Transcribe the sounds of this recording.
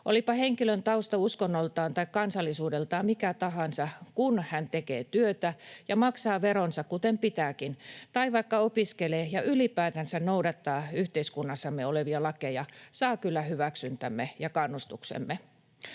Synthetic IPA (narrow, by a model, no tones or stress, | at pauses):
ʔo̰lipɑheŋkilønt̪ɑust̪ɑuskonːolt̪ɑːnt̪ɑikkɑnsɑlːisuːdelt̪ɑːmikæt̪ɑɦɑnsɑkunhænt̪ekḛːt̪yøt̪æjɑmɑksɑːʋeɾonsɑkkut̪empit̪æːkint̪ɑiʋɑikːɑopiskeleːjɑʔylipæːt̪ænsænnoudɑt̪ːɑːyht̪eiskunːɑsːɑmːeoleʋiɑlɑkejɑsɑːkylːæhyʋæksynt̪æmːejɑkɑnːust̪uksḛmːe